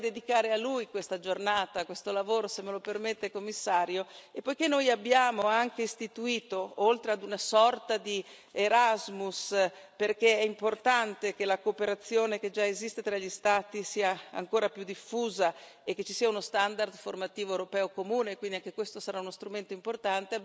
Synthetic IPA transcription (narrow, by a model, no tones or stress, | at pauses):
d̪ed̪ikaːɾealujkwest̪ad͡ʒornaːt̪akwest̪olavoːɾosemːelopermet̪ːekomːisːaːɾjoepːojkenːojabːjaːmoaŋk̟eist̪it̪uiːt̪oolt̪ɾead̪unasɔrt̪ad̪i | eɾazmus | perkeɛimport̪ant̪ekelakoːpeɾat̪sːjoːneked͡ʒaezist̪et̪ɾaʎːist̪aːt̪isiːaa̰ŋkoːɾapjud̪ifːuːza | ekːet͡ʃːisiːaunost̪and̪ard̪format̪iːvoewɾopɛːokomuːnekwind̪iaŋkekwest̪osaɾaunost̪ɾument̪oimport̪ant̪e